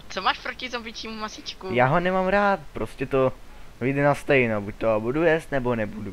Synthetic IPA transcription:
t͡somaːʃpɾocɪzobɪt͡ʃiːmumasɪt͡ʃkujaːɦonɛmamɾaːt̪̚pɾoscɛt̪ovɪjdɛnast̪ɛjnobuc̚ʲt̪oabudujɛst̪nɛbonɛbudu

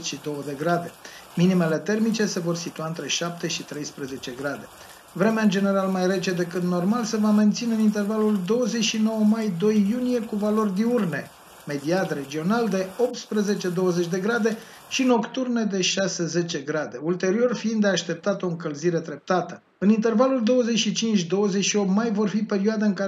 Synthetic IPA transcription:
ʃid̪o̞wəd̪e̞ɡɾad̪e̞minime̞le̞t̪e̞rmit͡ʃe̞se̞vo̞rsit̪uaɨnt̪ɾe̞ʃap̚t̪e̞ʃit̪ɾe̞jspɾeze̞t͡ʃe̞ɡɾad̪e̞ | vɾe̞meand͡ʒe̞ne̞ɾalmajɾe̞t͡ʃe̞d̪e̞kɨt̪no̞rmalse̞vame̞nt̪sineɨnint̪ervaluld̪o̞wəzet͡ʃʃino̞wəmajd̪o̞jːunije̞kuvalo̞rd̪iurne̞ | me̞d̪iad̪re̞d͡ʒio̞nald̪e̞o̞p̚t̪spɾeze̞t͡ʃe̞d̪o̞wəzet͡ʃʲd̪e̞ɡɾad̪e̞ | ʃino̞kt̪urned̪e̞ʃase̞ze̞t͡ʃe̞ɡɾad̪e̞ult̪e̞ɾio̞rfiind̪eaʃt̪e̞p̚t̪at̪o̞ɨŋkəlziɾe̞d̪ɾe̞p̚t̪at̪ə | ɨnint̪e̞rvaluld̪o̞wəze̞t͡ʃʃit͡ʃint͡ʃʲd̪o̞wəzet͡ʃʃio̞p̚t̪majvo̞rfipe̞ɾioad̪aɨŋka

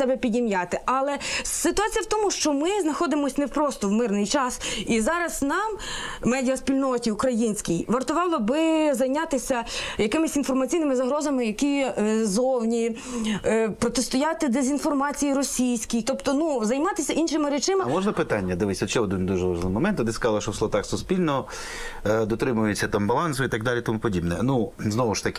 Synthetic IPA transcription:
sɛbɛpʲidʲimjat̪ɪʔɐlˠɛsɪt̪ʊɑt͡sʲijɐwt̪ɔmʊʃt͡ʃɔmɪznɐxɔd̪ɪmɔsʲnewpɾɔst̪ɔwmɪrnɪjt͡ʃɑsizɑɾɐznɑmːɛdʲiɐsʲpʲilʲnɔtʲiʊkɾɐjinʲsʲkʲijʋɐrt̪ʊʋɑlˠɔbɪzɐjnʲɑt̪ɪsʲɐjɐkɪmɪsʲin̪fɔrmɐt͡sʲijnɪmɪzɐɦɾɔzɐmɪjɐkʲizɔwnʲi | pɾɔt̪est̪ʊjɑt̪ɪd̪ezʲinfɔrmɑt͡sʲijiɾɔsʲijsʲkʲijt̪ɔpt̪ɔnuzɐjmɑt̪ɪsʲɐʔinʃɪmɪɾɛt͡ʃɪmɪmɔʒnɐpɪt̪ɑnʲːɐd̪ɪʋɪsʲɐt͡ʃɛɔd̪ɪnʲd̪uʒɛʋɐʒlˠɪmɔmɛnt̪ɔd̪ɪskɐzɑlˠɐʃɔslˠɔt̪ɑxsʊspʲilʲnɔ | d̪ɔt̪ɾɪmʊjet͡sʲːɐt̪ɑmbɐlˠɑnsʊit̪ɐɡ̚d̪ɑlʲit̪ɔmupɔdʲibnɛnuznɔʋʊʃt̪ɐkʲɪ

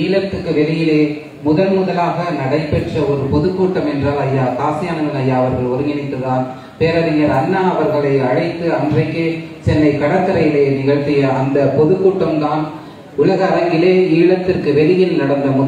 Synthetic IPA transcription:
iːɭɐt̪ːɯkːɯʋɛlɪjɪleː | mʊðɐlmʊðɐlaːɣɐnɐɽɐɪpːɛʈrɐɔɾɯpɔðɯkːuːʈːɐmɛndraːlɐjːaːkaːsɪjaːnɐmɐnɐjːaːɐʋɐɾɣɐɭɔɾɯŋɡɪnɪt̪ːɯðaːn | peːɾɐɾɪŋɡɐɾɐnːɐɐʋɐɾɣɐɭɐɪɐɻɐɪt̪ːɯɐndrɐɪkːesɛnːɐɪkɐɽɐt̪ːɯɾɐjɪleːnɪɣɐɭt̪ːɪjɐɐnd̪ɐpɔðɯkːuːʈːɐmd̪aːn | ʊlɐɣɐːɾɐŋɡɪleːiːɭɐt̪ːɪrkɯʋɛlɪjɪlnɐɽɐnd̪ɐmʊ

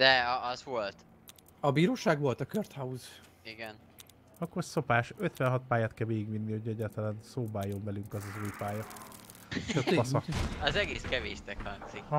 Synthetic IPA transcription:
d̪̥ɛɒzvo̞lt̪ | ɒbiːɾoːʃaːɡʋo̞lt̪ɒkørt̪hɒuz | iɡɛn | ɒkːorso̞paːʃøt̪ʋɛnɦɒt̪̚paːjaːt̪̚kɛlmeːɡiɡʋinːihocʰɛɟːaːrt̪ɒlaːnsoːbaːjo̞nvɛlyŋkɒzɒzuːjpaːjɒ | øpɒsɒkɒzɛɡeːskɛveːʃt̪ɛkhɒŋsik

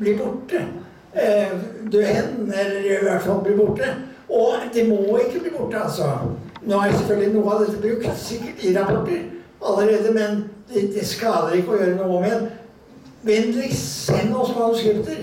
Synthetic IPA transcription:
bliːbʊʈːə | d̪øhɛnɛlːəɾʋæʈfɑlbliːbʊʈːə | ɔd̪ɛmɔɪkːəbliːbʊʈːəɑlsɔnoːæɾsɛfœlɡ̪lɪnuːəɑʋd̪ɛt̪ːəbɾʉkt̪sɪkːəʈɪɾɑpʰɔʈːəɾɑlːəɾeːd̪əmɛnd̪ɛd̪ɛskɑːd̪əɾɪkːəɔjøːɾənuːəɔmɛɛn | ʋɛnd̪lɪɛnːɔsɔmɑnskɾɪft̪əɾ

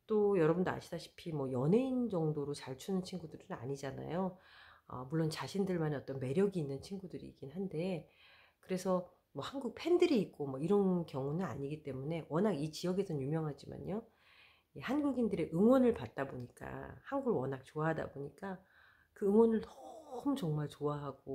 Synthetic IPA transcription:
t͈ojʌɾʌbundoa̰ɕʰidaɕʰi̥pʰimwʌjʌnɦeind͡ʑʌŋdoɾot͡ɕaɭt͡ɕʰunɯnt͡ɕʰinɡudɯɾɯna̰ɲid͡ʑana̰joʌ̰muɭːont͡ɕaɕʰindɯɭmaneʌt͈ʌnme̞ɾjʌɡiːnːɯnt͡ɕʰinɡudɯɾḭːk͈inɦande̞ | kɯɾe̞sʰʌ | mʌhanɡuk̚pʰe̞ndɯɾiːk̚k͈omwʌiɾʌnkjʌŋunɯna̰ɲiɡit͈e̞mune̞wʌnɦaɡit͡ɕijʌɡe̞sʰʌnjumjʌŋɦad͡ʑima̰ɲjo | ihanɡuɡindɯɾe̞ʔɯŋwʌnɯɭpat̚t͈aboɲik͈a̰hanɡuɡwʌnɦak̚t͡ɕoaɦada̰boɲik͈a | kɯɯŋwʌnɯɭtʌ̥umt͡ɕʌŋmaɭt͡ɕoaɦaɡ̥o

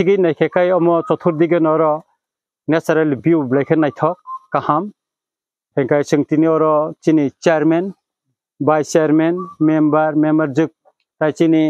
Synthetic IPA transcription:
siɡɯnajkʰekajɔmɔt͡ʃɔt̪ʰuɾd̪iɡɯnɔɾɔ | nesaɾelbiublajkʰenajt̪ʰɔk̚ːaham | hʰɛŋkajsɯŋt̪iniɔɾɔt͡ʃinit͡ʃeaɾmen | bajt͡ʃɾmenmembaɾmembaɾd͡ʒɯk̚ | tajt͡ʃini

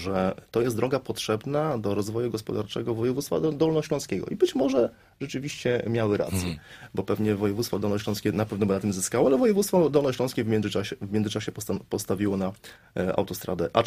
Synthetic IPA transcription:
ʐɛt̪ɔjɛsd̪ɾɔɡapɔtʂɛbnad̪ɔɾɔzvɔjuɡɔspɔd̪aɾt͡ʂɛ̰ɡɔvɔjɛvut̪st̪fa̰d̪ɔlnɔɕlɔ̃skʲɛɡɔ̰ʔibɘt͡ɕmɔʐɛ | ʐ̥ɛt͡ʂɘvʲiɕt͡ɕɛmʲjawɘɾa̰t̪sʲjɛ̰bɔpɛvɲɛvɔjɛvut̪st̪fɔd̪ɔlnɔɕlɔ̃skʲɛnapɛvnɔbɘnat̪ɘmzɘskawɔalɛvɔjɛvut̪st̪fɔd̪ɔlnɔɕlɔ̃skʲɛvmʲɛnzɘaɕɛvmʲɛnzɘt͡ʂaɕɛpɔpɔst̪avʲiwɔna | ʔa̰wt̪ɔst̪ɾa̰d̪ɛʔa

